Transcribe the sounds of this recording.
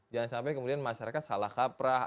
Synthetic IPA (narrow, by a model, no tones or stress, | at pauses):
d͡ʒaŋansampajkəmudianmaʃaɾakat̪̚salahkapɾa